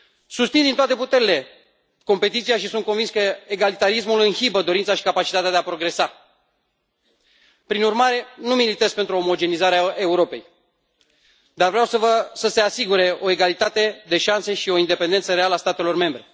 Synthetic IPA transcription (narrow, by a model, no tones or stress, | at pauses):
sust̪sind̪int̪at̪e̞put̪e̞ɾile̞ | ko̞mpe̞t̪it̪siaʃisunt̪̚kovinskəeɡalit̪aɾismulɨnhibəd̪o̞ɾintsaʃi̥kapat͡ʃit̪at̪ead̪eapɾo̞ɡɾe̞sa | pɾinurmaɾe̞numilit̪ezpe̞nt̪ɾuo̞mo̞d͡ʒe̞nizaɾeae̞uɾo̞pe̞̰j | d̪arvɾeawsəvəsəse̞asiɡuɾe̞o̞e̞ɡalit̪at̪e̞d̪e̞ʃanse̞ʃio̞ind̪e̞pend̪ent̪səɾe̞aləast̪at̪e̞lo̞rme̞mbɾe̞